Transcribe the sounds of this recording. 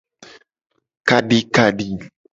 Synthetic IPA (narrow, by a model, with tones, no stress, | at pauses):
ka˨ɖi˨ka˨ɖi˨